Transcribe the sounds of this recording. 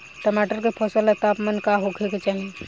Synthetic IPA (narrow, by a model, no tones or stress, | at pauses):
ʈəmaːʈəɾkepʰɔsəlet̪aːpmənkaɦokʰeket͡ʃaːɦi